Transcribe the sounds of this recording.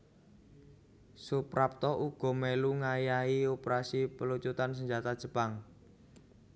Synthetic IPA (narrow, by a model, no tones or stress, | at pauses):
supɾap̚t̪ɔʔuɡ̥ɔ̤meluŋajaiopəɾasipəlut͡ʃut̪ans̬əɲd͡ʒat̪ad̥ʒ̥ə̤paŋ